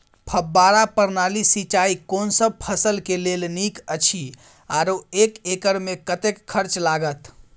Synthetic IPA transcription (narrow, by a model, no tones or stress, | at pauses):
pʰəbːaɾapəɾnalisit͡ʃaikonsəb̚pʰəsəlkelelnikət͡ʃʰi | aɾoekekəɾmekət̪ekʰːəɾt͡ʃlaɡət̪